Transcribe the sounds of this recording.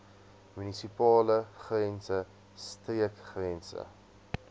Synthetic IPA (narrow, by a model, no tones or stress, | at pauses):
mynisipɑːləχrɛnsə | striəkχrɛnsə̰